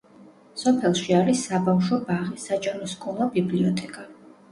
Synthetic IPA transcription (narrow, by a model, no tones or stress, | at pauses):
sɔpʰɛlˠʃiaɾisːabafʃɔbaʁisat͡ʃʼaɾɔskʼunɔbibliɔt̪ʰʼɛkʼa